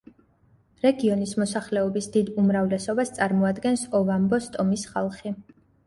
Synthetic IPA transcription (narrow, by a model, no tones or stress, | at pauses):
ɾɛɡiɔnismɔsaχlɛɔbisd̪id̪umɾavlɛsɔbast̪sʼaɾmɔad̪ɡɛnsɔvambɔst̪ʼɔmisχalˠχi